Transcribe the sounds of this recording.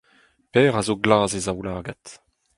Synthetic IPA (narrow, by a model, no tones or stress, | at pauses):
pɛːʁazoɡlaːzezawlaːɡat